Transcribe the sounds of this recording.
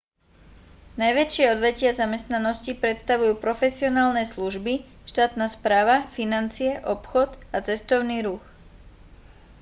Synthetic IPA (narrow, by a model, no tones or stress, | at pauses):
najʋɛt͡ʃɪɛɔd̪ʋɛcɪazamɛst̪nanɔscipɾɛt̪st̪aʋujuːpɾɔfɛsiɔnaːlnɛsluʒbi | ʃt̪aːt̪naːspɾaːʋafinant͡siɛʔɔpxɔd̪at͡sɛst̪ɔʊniːɾux